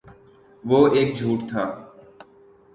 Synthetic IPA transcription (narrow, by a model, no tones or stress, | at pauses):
ʋoːeːkd͡ʒʱuːʈt̪ʰaː